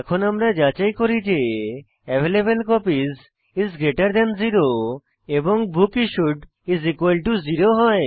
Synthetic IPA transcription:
ɛkʰonamɾad͡ʑat͡ɕajkoɾid͡ʑe | ɛbʱelebelkɔpiz | izɡɾeʈaɾd̪ɛnziɾo | eboŋbʱukiʃuʈ | izikwalʈuziɾoɦɔe

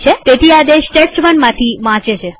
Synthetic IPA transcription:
t͡ʃʰet̪et̪ʰiad̪eʃʈeʈsʋəɳmãt̪ʰiʋãt͡ʃet͡ʃʰe

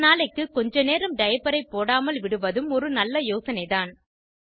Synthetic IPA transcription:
naːlɐɪkːɯkːɔɲd͡ʒɐneːɾɯmɖɐjɐpːɐɾɐɪpːoːɽaːmɐlʋɪɽɯʋɐðɯmɔɾɯnɐlːɐjoːsɐnɐɪðaːn

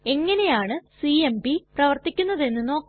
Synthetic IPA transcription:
e̞ŋːɐne̞jaːɳɨsiembiprɐʋɐrt̪ikʲːunːɐðe̞nːɨno̞ːkː

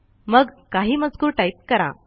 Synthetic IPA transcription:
məɡkaɦiːməd͡zkuːɾʈait̚kəɾa̰

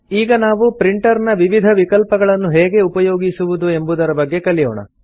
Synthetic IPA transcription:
iːɡɐnaːʋupɾiɳʈɐɾnɐʋiʋid̪ʱɐʋikɐlpɐɡɐɭɐnːuɦeːɡe̞upɐjoːɡisuʋud̪ue̞mbud̪ɐɾɐbɐɡːekɐlijɔːɳɐ̰

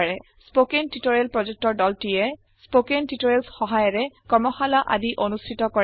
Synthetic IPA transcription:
ɹɛ | spokentitoɹelpɹɔd͡ʒuk̚tɔɹdɔltijɛ | spokentitoɹelsxɔɦajɔɹɛkɔɹmɔxalaʔa̰diʔonustʰitɔkɔɹ

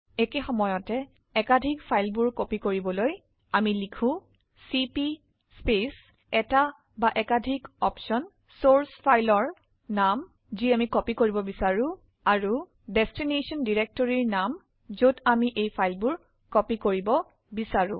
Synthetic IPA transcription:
ɛkexɔmɔjɔtɛ | ɛkadʱikpʰajlbuɹkɔpikoɹibɔloj | amilikʰʊ̃ | sipi | spes | ɛta | baʔɛkadʱikɔpʃɔn | soɹspʰajlɔɹ | nam | ziamikɔpikoɹibɔbisaɹʊ̃ | aɹu | dɛstinesɔndiɹek̚tɔɹiɹnam | zodamiʔejpʰajlbʊɹ | kɔpikoɹibɔ | bisaɹʊ̰̃

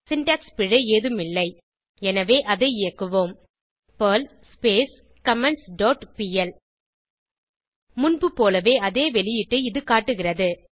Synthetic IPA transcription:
sɪnʈaːkspɪɻɐeːðɯmɪlːɐɪ | ɛnɐʋeːʔɐðɐɪɪjɐkːɯʋoːm | pɐl | speːs | kɐmɛɳsɖoːʈpiːɛl | mʊnbɯpoːlɐʋeːɐðeːʋɛɭɪjɪʈːɯɪðɯkaːʈːɯɣɪrɐðɯ

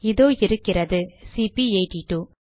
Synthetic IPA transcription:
ɪðoːɪɾɯkːɪɾɐðɯsipiɐɪʈiʈːuː

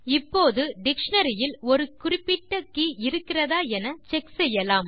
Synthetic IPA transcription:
ɪpːoːðɯɖɪkʂɐnɐɾɪjɪlɔɾɯkʊrɪpːɪʈːɐkːiɪɾɯkːɪrɐðaːɛnɐt͡ʃɛksɛjːɐlaːm

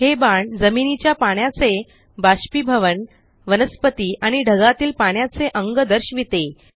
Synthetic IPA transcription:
hebaɳd͡zəminit͡ɕjapaɳ̃jat͡se | baɕpibʱəʋəɳ | ʋənəspət̪iːʔaɽ̃iɖʱəɡat̪iːlpaɳ̃jat͡seʔəŋɡəd̪əɾɕʋit̪e

